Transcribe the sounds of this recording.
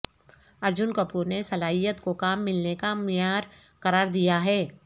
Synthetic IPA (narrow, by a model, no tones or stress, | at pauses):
ɐɾd͡ʒʊnkɐpuːɾnesɐlaːɦijət̪kokaːmːɪlnekamjaːɾ | qɐɾaːɾd̪ijaɦɛː